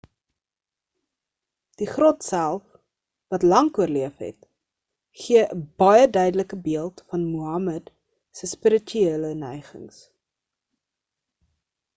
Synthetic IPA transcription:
d̥iχrɔtsælˠf | vɐtlɐŋkuərliəfɦɛ̰t | χiəʔəbɐjədœɥdələkəbiəlˠtfɐnmuɐməd | səspəɾətyiələnɛjχə̰ŋs

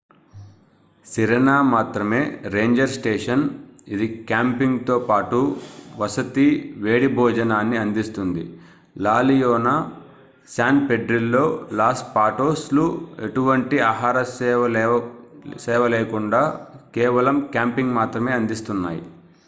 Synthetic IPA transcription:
siɾenaːmaːt̪ɾɐme̞ːɾe̞ːɲd͡ʒɐɾsʈeːʂɐnid̪ikaːmpiŋɡt̪o̞ːpaːʈuʋɐsɐt̪iʋeːɽibʱɔːd͡ʒɐnaːnːiɐnd̪ist̪und̪ḭ | laːlijoːna | saːnpeɖɾilːo̞ːlaːsʈ̚paːʈoːslue̞ʈuʋɐɳʈiaːɦaːɾɐsɛʋɐ | sɛːʋɐleːkuɳɖaːkɛːʋɐlɐmkʲaːmpiŋɡmaːt̪ɾɐme̞ːɐnd̪ist̪unːa̰ːjḭ

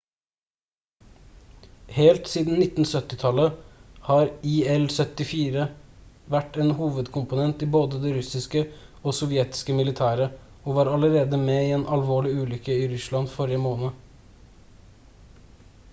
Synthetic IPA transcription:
heːlt̪siːd̪n̩nɪt̪n̩sœt̪ːɪt̪ʰɑləhɑːɾiːɛlsœt̪ɪfiːɾəʋæʈeːnhuːʋəd̪kʰʊmpʊnɛnt̪ɪːboːd̪əd̪ɛɾʉsɪskəoːsɔʋjɛt̪ɪ̥skəmɪlɪt̪ʰæːɾə | oːʋɑːɾɑləɾeːd̪əmeːiːeːnʔɑlʋoːɭɪʉːlʏkəiːɾʉslɑnfɔɾɪəmoːnə

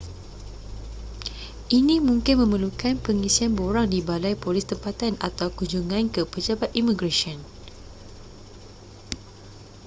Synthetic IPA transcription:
ʔinĩmũŋkɪnmə̃məlukanpəŋisianboɾaŋdibalajpolɪst̪əmpat̪ana̰t̪awkuɲd͡ʒuŋãnkəpəd͡ʒabat̪imiɡɾasiɔn

